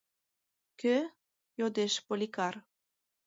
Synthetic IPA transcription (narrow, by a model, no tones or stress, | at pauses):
kø | jod̪eʃpolʲikɑr